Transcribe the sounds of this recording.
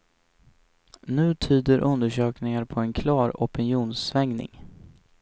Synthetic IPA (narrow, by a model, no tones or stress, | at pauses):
nʉ̟ːt̪ʰyːd̪əɾʔɵnd̪əʂøːknɪŋaɾpʰɔɛnkʰlɑːɾɔpɪnjuːnsvɛŋnɪ̰ŋ